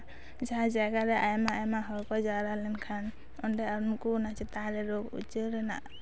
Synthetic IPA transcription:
d͡ʒad͡ʒaɡaɾɛʔajmaajmaɦɔɾkɔd͡ʒaɾalɛnkʰan | ɔnɖɛaɾmkunat͡ʃʰit̪aɾɛɾoɡṵt͡ʃəɾɛna̰

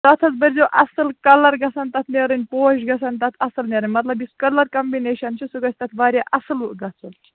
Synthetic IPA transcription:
t̪ɐt̪ʰɐt͡sbɐɾʲzʲoʔɐsɨlkɐlɐɾɡɐsɐnt̪ɐt̪ʰneɾɨnʲpoːʃɡɐsɐnt̪ɐt̪ʰɐsɨlnʲeɾɨnʲmɐt̪lɐbiskɐlɐɾkɐmbineːʃɐnt͡ʃʰisuɡɐt͡ʃʰʲt̪ɐt̪ʰʋaːɾʲjaʔɐsɨlɡɐt͡sɐlʲi

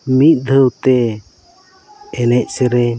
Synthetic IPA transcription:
mit̪̚ˀd̪ʱəwt̪ɛ | ɛlɛc̚ˀsɛɾɛ

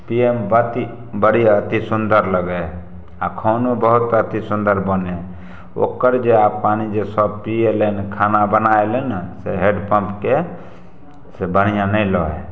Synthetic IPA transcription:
piembət̪i | bəɽiət̪isʊnd̪əɾləɡe | akʰoːnobəɦʊt̪ət̪isʊnd̪əɾbəne | o̰kəɾd͡ʒeappaːnid͡ʒesɔb̚pielenkʰanabənaelensḛɦeɖpə̃mpke | sebənijãnəĩlɔe

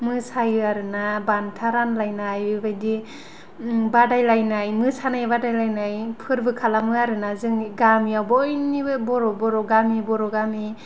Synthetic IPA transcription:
mɯsajɯaɾɯnabantʰaɾanlajnajɯbajdi | badajlajnajmɯsanajbadajlajnajpʰɯɾbɯkʰalamɯaɾɯnazɯŋɡamijawbɔjnibɔɾɔbɔɾɔɡamibɔɾɔɡami

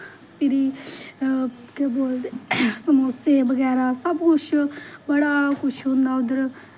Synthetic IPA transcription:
pʰɪɾiː | keboːlsəmoːsebəɡɛːɾaːsəbkʊt͡ʃʰbəɽaːkʊt͡ʃʰɦõːnd̪aːʊd̪əɾ

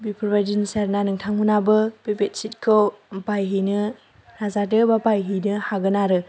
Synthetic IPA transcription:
bipʰɯɾbadinsaɾnanɯŋtʰaŋɦunabɯb̥ebet̚sit̚kʰɯwpajɦinɯ | nazadɯbapajɦinɯhaɡɯnaɾɯ

